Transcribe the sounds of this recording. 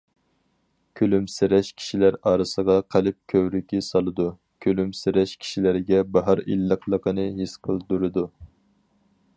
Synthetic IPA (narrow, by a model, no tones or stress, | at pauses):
kʲʰølymsɪɾɛʃkʲʰi̥ʃilæɾɑːɾɨsəʁɑqʰælɪp̚kʲʰøwɾykʲisɑlˠɨd̪u | kʲʰølymsɪɾɛʃkʲʰi̥ʃilɪɾɪɡʲɛbɑɦɑɾḭlːəqlˠəqʰənɨɦisqʰəlˠd̪uɾɨd̪u